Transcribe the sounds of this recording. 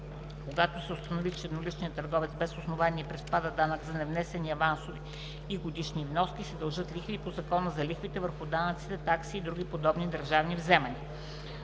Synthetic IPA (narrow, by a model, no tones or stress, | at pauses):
koɡat̪osɛʊst̪ənovit͡ʃɛd̪nolit͡ʃnijət̪ːəɾɡɔvɛt̪sbɛsosnovaniɛpɾɛspad̪əd̪anəkzɐnɛvnɛsɛniɐvansoviː | ɡod̪iʃnivnɔskʲisɛd̪ɐlˠʒɤt̪lʲixvipozɐkɔnəzɐlixvit̪ɛvəɾxʊd̪anət̪si̥t̪ɛt̪aksiːd̪ɾuɡ̟ʲipod̪ɔbnid̪əɾʒavnivzɛmɐni